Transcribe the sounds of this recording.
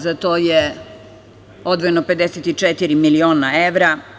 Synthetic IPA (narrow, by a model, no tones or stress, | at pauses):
zat̪oːje | o̞d̪ʋoje̞nope̞d̪eset̪it͡ʃet̪iɾimilio̞ːnaeʋɾa